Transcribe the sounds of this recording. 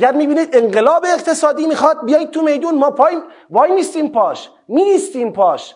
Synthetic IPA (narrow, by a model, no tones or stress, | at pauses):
ɡæɾmiːbiːniːd̪eɴɢelɒːbeːqt̪ʰe̞sɒːd̪iːmiːxɒːd̪̚bijɒjit̪̚t̪ʰumejd̪uːnmɒːpʰɒːj | vɒːjmiːst̪iːmpʰɒːʃ | miːst̪iːmpʰɒːʃ